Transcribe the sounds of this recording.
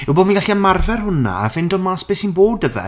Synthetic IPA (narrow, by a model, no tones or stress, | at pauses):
ɪwboːdmiŋɡaɬiamarvɛrhʊna̰ːvɪndɔmaːsb̥eːsinboːdəvɛ̰